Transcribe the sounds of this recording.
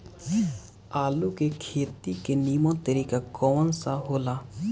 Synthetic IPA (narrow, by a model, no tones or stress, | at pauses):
aːlukekʰeːt̪ikeniːmõt̪əɾiːkakɔːnsaɦoːlaː